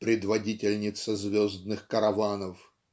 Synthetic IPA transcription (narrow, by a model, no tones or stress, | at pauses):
pɾʲɪd̪vɐdʲitʲɪlʲnʲɪt̪səzvʲozd̪nɨxkəɾɐvanəf